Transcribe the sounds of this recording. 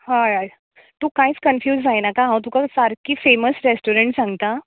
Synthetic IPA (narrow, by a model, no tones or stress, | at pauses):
haɾaj | t̪ũkãit͡skənfjuːzd͡zajnakãɦãwt̪̬ũkasaɾkiːfeməsɾesʈoɾeɳʈsãŋɡt̪a